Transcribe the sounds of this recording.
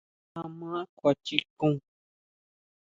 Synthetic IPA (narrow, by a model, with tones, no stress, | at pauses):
a˧mãː˦kʷa˨t͡ʃi˦kũ˦ŋ